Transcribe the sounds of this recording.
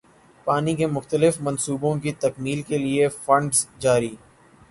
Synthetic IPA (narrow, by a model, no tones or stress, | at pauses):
paːnikemʊxt̪əlɪfmɐnsuːbõk̬it̪ɐkmiːlkeliefɐ̃ɳɖzd͡ʒaːɾiː